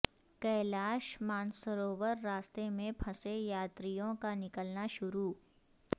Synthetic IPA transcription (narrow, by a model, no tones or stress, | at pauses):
kɐːlaːʃmaːnsəɾoːʋəɾːaːst̪emẽpʰɐsejaːt̪ɾijõkanɪkəlnaʃʊɾuː